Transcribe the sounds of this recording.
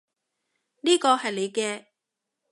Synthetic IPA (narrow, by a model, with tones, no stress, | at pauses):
niː˥kɔː˧hɐ˨jle˨˧jkɛː˧